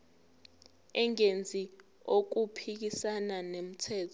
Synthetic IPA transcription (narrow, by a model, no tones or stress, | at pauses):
ɛŋend͡zʱi | ok̬upʰik̬isananem̩tʰɛːtʰɔ